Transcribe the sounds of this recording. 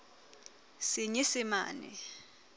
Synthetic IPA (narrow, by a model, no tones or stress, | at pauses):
siɲisima̰ːnɛ̰